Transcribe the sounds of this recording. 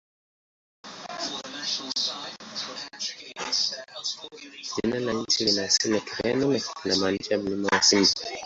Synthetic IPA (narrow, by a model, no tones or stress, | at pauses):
d͡ʒinalaɲ̩t͡ʃilinasilɛkiɾɛnɔnɛnamaniʃaam̩limawasimbi